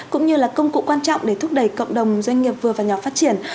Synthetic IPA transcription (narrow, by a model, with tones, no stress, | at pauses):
kʊ̰˧˥ŋ͡mɲɨ˧laː˨˩kə˧wŋ͡mkṵ˧˨kwaː˧nt͡ɕɔ̰˧˨wŋ͡mɗe˧˩t̪ʰʊ˦˥k̚ɗə˧˩jkə̰˧˨wŋ͡mɗə˨˩wŋ͡mzwa˧jŋ̟ŋi˨˩əp̚vɨ˨˩əvaː˨˩ɲɔ˨˩faː˦˥t̚t͡ɕi˧˩ən